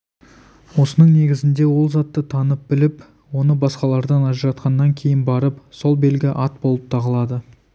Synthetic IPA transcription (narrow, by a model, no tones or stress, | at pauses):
wo̞sənəɴne̞ɡʲɪzɪnd̪e̞wo̞lˠzɑt̪ːət̪ʰɑnəp̚bɪlɪp | wo̞nəbɑsqɑlˠɑɾd̪ɑnɑʒəɾɑt̪qɑnːɑŋkʲʰe̞jɪnbɑɾəpso̞lˠbe̞lɡʲɪʔɑt̪̚bo̞lˠəp̚t̪ʰɑʁəlˠɑd̪ə